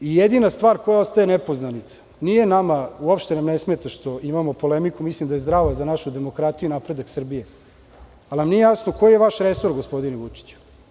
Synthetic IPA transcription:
ijed̪inast̪vʋaːɾkojao̞st̪ajenepo̞znanit̪sḁ | nije̞namauopʃt̪e̞namnesmeːt̪aʃt̪o̞ʔimamo̞po̞lemikumislimd̪ajzd̪ɾaːʋazanaʃud̪emo̞kɾat̪ijuinapɾe̞d̪aksr̩bije̞ | alnamnijejasno̞ko̞jijeʋaʃɾeso̞ɾɡospo̞d̪ineʋut͡ʂi̥t͡ɕu̥

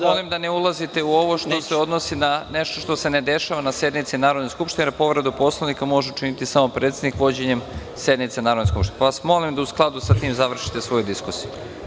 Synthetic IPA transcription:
mo̞limd̪aneulˠazit̪e̞uo̞ʋo̞ʃt̪o̞seo̞d̪no̞sinane̞ʃt̪oʃt̪o̞se̞ne̞d̪e̞ʃaʋanasje̞d̪nit̪sinaːɾo̞d̪neskupʃt̪inepo̞ʋɾed̪upo̞slˠanikamo̞ʒeut͡ʃinit̪isamo̞pɾet̪sed̪nikʋo̞d͡ʑe̞ɲe̞m | sje̞d̪nit̪senaːɾod̪neskupʃt̪ineaʋasmo̞limd̪ausklˠad̪usat̪iːmzaʋr̩ʃi̥t̪esʋo̞jud̪iskusiju

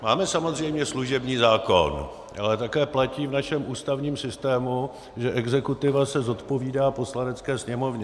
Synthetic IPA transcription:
maːmɛsamo̞zr̝ɛjmɲɛsluʒɛbɲiːzaːko̞̰n | ʔalɛt̪akɛːplaciːvnaʃɛmʔuːst̪avɲiːmsɪst̪ɛːmu | ʒɛʔɛɡzɛkut̪ɪvasɛzo̞t̪po̞viːdaːpo̞slanɛt͡skɛːsɲɛmo̞vɲɛ

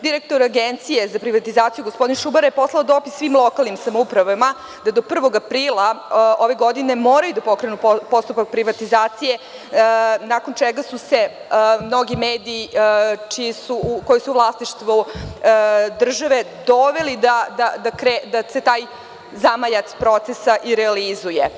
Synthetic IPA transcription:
d̪iɾek̚t̪oɾaɡent̪sije̞zapɾiʋat̪izaːt̪ijuɡospo̞d̪inʃubaɾjepo̞slˠaod̪o̞pisʋiːmlˠo̞kalˠnimsamoupɾaʋama | d̪ad̪o̞pr̩ʋo̞ɡapɾiːlˠao̞ʋe̞ɡo̞d̪ine̞moːɾajud̪apo̞kɾe̞nuppo̞st̪upak̚pɾiʋat̪izaːt̪sije̞ | nako̞nt͡ʃeɡasuse̞mno̞ɡimeːd̪iːt͡ʃijisuko̞jisuuvlˠasniʃt̪ʋu | d̪r̩ʒaʋe̞ | d̪o̞ʋe̞lid̪ad̪ad̪akɾed̪ase̞t̪aːj | zamajat̪spɾo̞t̪sesaʔiɾɛalizuje

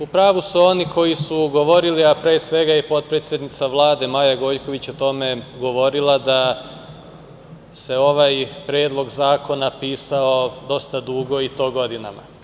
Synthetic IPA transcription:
upɾaːʋusuo̞nikʰo̞jisuɡo̞ʋo̞ɾiliapɾeːsʋe̞ɡaipo̞d̪̚pɾet̪sʲjed̪nit̪saʋlˠaːd̪e̞maːjaɡo̞jko̞ʋit͡ɕot̪o̞me̞ɡo̞ʋo̞ɾilˠad̪a | se̞o̞ʋajpɾe̞ːd̪lˠo̞ɡzaːko̞napiːsao̞d̪o̞st̪ad̪uːɡo̞it̪o̞ːɡo̞d̪ina̰ma̰

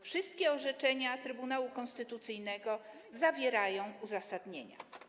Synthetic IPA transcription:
fʂɘst̪̚kʲɛɔʐɛt͡ʂɛɲat̪ɾɘbunawukɔnst̪ɘt̪ut̪sɘjnɛɡɔ | zavʲjɛɾajɔ̃w̃uzasad̪ɲeɲa̰

